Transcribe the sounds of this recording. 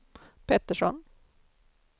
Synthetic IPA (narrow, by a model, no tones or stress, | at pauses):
pʰɛt̪ːəʂɔ̰n